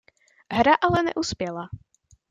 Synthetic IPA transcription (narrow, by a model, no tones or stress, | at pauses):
ɦɾaʔalɛnɛ̰ʔuspjɛla